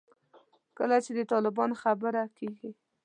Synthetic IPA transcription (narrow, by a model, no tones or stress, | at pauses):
kəlat͡ʃed̪ət̪ɑlɪbɑnoxabəɾakeɡi